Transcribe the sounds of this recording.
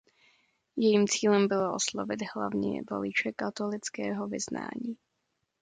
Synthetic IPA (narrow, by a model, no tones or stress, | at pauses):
jɛjiːmt͡siːlɛmbɪloʔo̰slovɪd̪ɦla̰vɲɛ̰vo̰lɪt͡ʃɛkat̪olɪt͡skɛːɦovɪzna̰ːɲiː